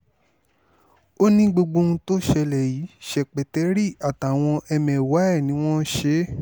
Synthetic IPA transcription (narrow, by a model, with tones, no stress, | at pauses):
o˦nĩ˦ɡ͡bo˧ɡ͡bõ˧ũ˧to˦ʃɛ˧lɛ˨jiː˨˦ʃɛ˨k͡pɛ˨tɛ˨˦ɾi˦˨a˨ta˨w̃ɔ̃˧ʔɛ˧mɛ̃˨wa˨˦ɛ˦˨nĩ˨˦w̃ɔ̃˦ʃe˦